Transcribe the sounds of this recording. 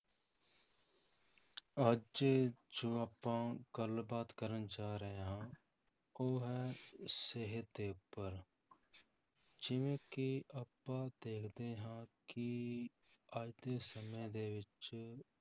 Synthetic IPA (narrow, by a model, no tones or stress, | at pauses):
əd͡ʒd͡ʒed͡ʒoːəpːãːɡəlbaːt̪kəɾənt͡ʃaːɾəɦeɦãː | oːɦɛseɦət̪eːʊpːəɾ | d͡ʒɪʋẽkiəpːad̪eːkʰd̪eɦãki | aːd̪esəməjd̪eʋɪt͡ʃ